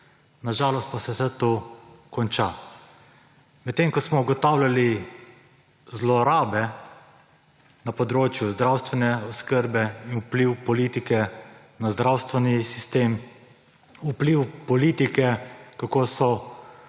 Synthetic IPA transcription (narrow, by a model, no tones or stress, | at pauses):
naʒaːlɔst̪̚pasɛsɛt̪oːkɔnt͡ʃa | mɛt̪ːeŋkɔsmɔuɡɔt̪awljali | zlɔɾaːbɛ | napɔd̪ɾoːt͡ʃjuzd̪ɾawst̪ʋɛnɛɔskəɾbɛinupliwpɔliːt̪ikɛ | nazd̪ɾawst̪ʋɛnisist̪eːm | upliwpɔliːt̪ikɛkakoːsɔ